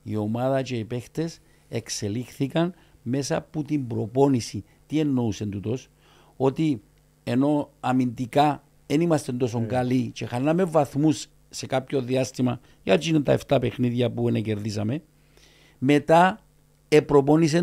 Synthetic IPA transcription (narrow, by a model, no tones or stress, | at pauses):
io̞maðɐt͡ʃe̞ipe̞xt̪e̞s | e̞kse̞lixθikɐn | me̞sɐput̪imbɾo̞po̞nisi | t̪ie̞nːo̞use̞nt̪ut̪o̞s | o̞t̪i | e̞no̞ɐmind̪ika | e̞nimɐst̪e̞nd̪o̞s̬o̞ŋɡalit͡ʃe̞xanːɐme̞vɐθmusː | e̞kapço̞ðiast̪imɐ | jɐt͡ʃinent̪ɐ̰eft̪ɐpe̞xniðʝɐpuenece̞ɾðis̬ɐme̞ | me̞t̪a | e̞pɾo̞po̞nis̬e